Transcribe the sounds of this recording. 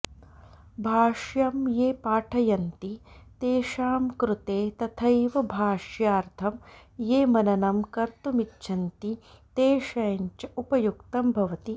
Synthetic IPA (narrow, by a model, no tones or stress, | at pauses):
bʱaːʃjɐmjeːpaːʈʰɐjɐnt̪it̪eːʃaːmkɾut̪eːt̪ɐt̪ʰɐjʋɐbʱaːʂjaːɾt̪ʰɐmjeːmɐnɐnɐmkɐɾt̪umitːʃʰɐnt̪it̪eːʃɐjɐɲt͡ʃɐupɐjukt̪ɐmbʱɐʋɐt̪i